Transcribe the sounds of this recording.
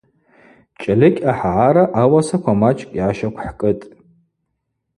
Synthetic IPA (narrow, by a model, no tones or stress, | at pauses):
t͡ʃʼalɨkʲʼaħʕaɾaʔawasakʷʰamat͡ʃʼkʼjaʃakʷʰħkʼɨtʼ